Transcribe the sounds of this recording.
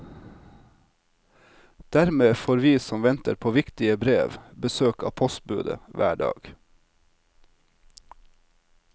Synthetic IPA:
d̪̥æɾmeːfoːɾʋiːsɔmʋɛnt̪ə̰ɾpʰoːʋɪkt̪ɪəbɾeːʋbəsøːkɑ̰ːpʰɔst̪̚bʉ̰ːd̪ə̰ʋæ̰ːɖɑ̰ːɡ̥

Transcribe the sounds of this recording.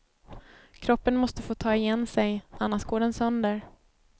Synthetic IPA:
kʰɾɔpːənmɔst̪əfoːt̪ʰɑːɪjɛnsɛjʔanːaʂɡoːɖɛnsœnd̪əɾ

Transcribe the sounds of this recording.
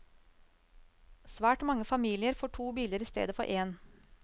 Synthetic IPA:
sʋæːʈmɑŋːəfɑmiːlɪəɾfoːʈʰuːbiːləɾiːst̪ḛːd̪əfɔ̰ɾʔeːn

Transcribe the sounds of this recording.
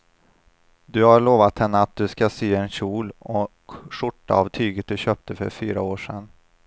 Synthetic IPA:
d̪ɵhaɾɭoːvat̪hɛnːəat̪̚d̪ɵskaseːɛnɕuːlɔkʂʊʈːa̰avt̪ʰyːɡət̪̚d̪ɵɕøːp̚t̪əfœ̰ɾfyːɾaoːʂɛn

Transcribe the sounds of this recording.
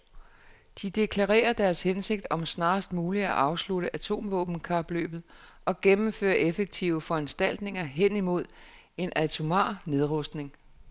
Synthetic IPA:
d̥id̥e̝kʰlɑʁḛːɐd̥æɐshense̝ɡ̥̚d̥ɒ̽msnɑ̈ːsd̥muːliæʔɑ̈ʊsluɾəʔæt͡sʰo̝̰ːmʋɔ̰̽ːb̥n̩kʰɑ̈b̥lø̰ːb̥ð̩ˠ | ʔɒ̽ɡ̥emm̩fø̰ːɐʔefeɡ̥̚t͡sʰiʊəfɒ̽ænsd̥æl̰d̥ne̝ŋɐɦen̰imo̝ð̞̰ˠ | e̝nʔæt͡sʰumɑ̰̈ːne̝ðˠʁɔsd̥ne̝ŋ

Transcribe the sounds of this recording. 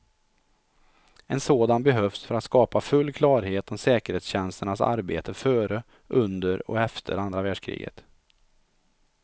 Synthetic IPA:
ɛnsoːd̪anbɛɦœfsfœɾat̪skɑːpafɵlːkʰlɑːɾheːt̪ɔmsɛːkəɾheːt̪sɕɛnst̪əɳasa̰ɾbḛːt̪ʰəfœːɾə | ʔɵnd̪əɾɔ̰ɛft̪ʰə̰ɾand̪ɾavæːɖʂkʰɾḭːɡə̰t̪

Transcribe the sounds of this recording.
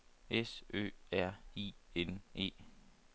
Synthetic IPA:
esø̰ːæɐ̰iːenʔe̝̰ː

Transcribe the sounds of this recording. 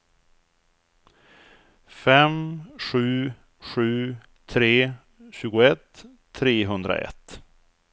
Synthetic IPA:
fɛmɧʉ̟ː | ɧʉ̟ː | t̪ʰɾeː | ɕʉ̟ːɡʊɛt̪ʰː | ɾeːɦɵnd̪ɾa̰ʔɛ̰t̪ː

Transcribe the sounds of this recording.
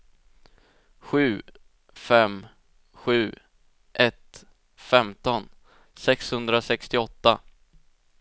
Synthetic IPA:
ɧʉ̟ː | fɛm | ɧʉ̟ː | ʔɛt̪ | fɛmt̪ɔn | sɛkshɵnd̪ɾasɛkst̪ɪɔt̪ːa

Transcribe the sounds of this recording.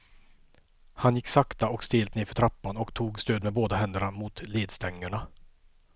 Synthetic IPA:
hanjɪkːsakt̪aɔkst̪eːlt̪neːɾfœʈʰɾapːanɔkt̪ʰuːɡst̪øːd̪mɛboːd̪aɦɛnd̪əɳamʊt̪leːd̪st̪ɛŋːəɳa

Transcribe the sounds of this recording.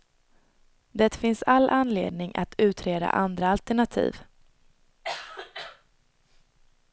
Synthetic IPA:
d̪ɛt̪fɪnsalːʔanlḛːd̪nɪŋʔa̰t̪ʰʉ̟ːt̪ɾeːd̪a̰ʔand̪ɾaalt̪ɛɳat̪ʰḭːv

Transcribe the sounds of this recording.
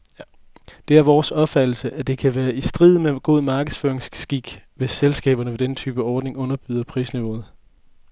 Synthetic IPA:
d̥e̝æɐʋɒːsɒ̽b̥fæd̥l̩səʔæd̥e̝kʰæʋæːɐʔisd̥ʁið̞̰ˠmeɡ̥o̝ð̞̰ˠmɑ̈ːɡ̥əð̩ˠsfø̰ɐeŋsɡ̥iɡ̥ʋe̝sːelsɡ̥ɛ̰ːb̥ɐnəʋe̝d̥enət͡sʰy̰ːb̥əɒːd̥ne̝ŋɔ̽nɐb̥yːð̞ˠɐpʰʁḭːsniʋo̝ːð̞̩ˠ

